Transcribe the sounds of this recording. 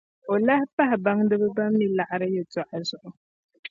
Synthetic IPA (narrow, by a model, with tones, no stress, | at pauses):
o˨la˦hɪ˦pa˦hɪ˨ba˦ŋdɨ˦bɨ˦ba˦mːi˨˦la˨ʔa˨ɾɨ˦jɛ˨tɔ˨ʔa˨zʊ˨ʔʊ˨